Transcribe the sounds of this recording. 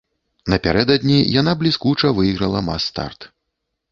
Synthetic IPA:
nɐpʲaɾɛd̪ɐd̪ʲnʲijan̪ablʲiskut͡ʂɐvɨjɣɾɐlˠɐma̰st̪a̰rt̪

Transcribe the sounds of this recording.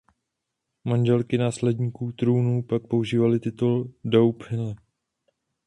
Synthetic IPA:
manʒɛlkɪnaːslɛdɲiːkuːt̪ɾuːnuːpak̚po̞uʒiːvalɪt̪ɪt̪uldowphɪnɛ

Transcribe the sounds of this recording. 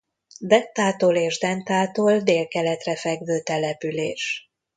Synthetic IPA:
d̪ɛnt̪aːt̪oːleːʒd̪ɛnt̪aːt̪oːld̪eːlkɛlɛt̪rɛfɛɡʋøːt̪ɛlɛpyleːʃ

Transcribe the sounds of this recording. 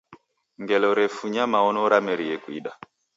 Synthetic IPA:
ŋɡɛlɔɾɛfuɲamaɔnɔɾamɛɾijɛkwḭɗa

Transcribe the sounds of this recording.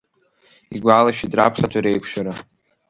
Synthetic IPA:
iɡʷaːlaʃᶣidra̰pʰχatʷʰaɾejkʷʰʃᶣaɾa

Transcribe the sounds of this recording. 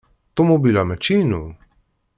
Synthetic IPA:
t̪omobilamɛt͡ʃinu

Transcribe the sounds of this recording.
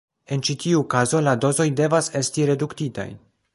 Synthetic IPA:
e̞nt͡ʃitʰiukazo̞lado̞zo̞jde̞vase̞stiɾe̞duktita̰j

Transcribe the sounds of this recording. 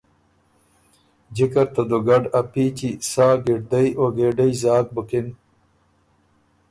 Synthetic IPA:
d͡ʑikɐɾt̪ɐd̪oɡɐɖɐpiːt͡ɕisaːɡiɖ̚d̪ɐjoɡeːɖɐjzaːk̚bukin

